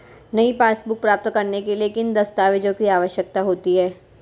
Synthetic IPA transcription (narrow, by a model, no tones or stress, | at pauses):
nɐipaːsbʊk̚pɾaːp̚t̪kɐɾnekeliekɪnd̪ɐst̪aːʋɪd͡ʒõkiaːʋəʃjək̚t̪aɦoːt̪iɦɛː